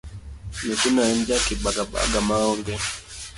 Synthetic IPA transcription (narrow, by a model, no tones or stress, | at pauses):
nikunaɛnd͡ʒakiɓaɡaɓa̰ɡamaɔŋɡɛ